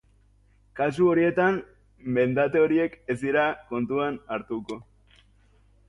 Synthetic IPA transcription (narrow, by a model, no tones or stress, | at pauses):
kas̬uo̞ɾie̞t̪am | be̞nd̪at̪eo̞ɾie̞kezd̪iɾako̞nt̪uanaɾt̪uko̞